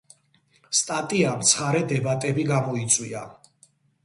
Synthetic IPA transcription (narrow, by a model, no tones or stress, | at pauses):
st̪ʼat̪ʼiamt̪sʰχaɾɛd̪ɛbat̪ʼɛbiɡamɔit̪sʼwia